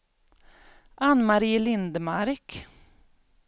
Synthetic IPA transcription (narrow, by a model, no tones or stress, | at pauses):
ʔanmaɾiːlɪnd̪əmaɾk